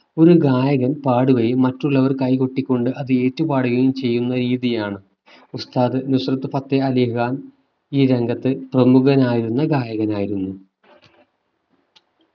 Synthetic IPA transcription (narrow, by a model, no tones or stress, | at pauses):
o̞ɾuɡaːjɐɣɐnpaːɽuɣɐjimɐtːuɭːɐʋɐrkɐjkuʈːikʲːo̞ɳɖɨʔɐðɨe̞ːtːupaːɽɐɣɐjumt͡ɕe̞jːunːɐɾiːðijaːɳɨ | ust̪aːðɨnuɕrɐt̪ːɨfɐt̪ːeɐliɦɣaːn | iːɾeŋɡɐt̪ːɨprɐmuɣɐnaːjiɾunːɐɡaːjɐɣɐnaːjiɾunːu